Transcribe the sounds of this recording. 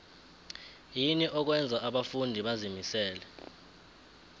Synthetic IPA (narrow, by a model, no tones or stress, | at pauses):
jiniʔɔk̬wɛnd͡zʱaʔaɓafundʱiɓazimisɛːlɛ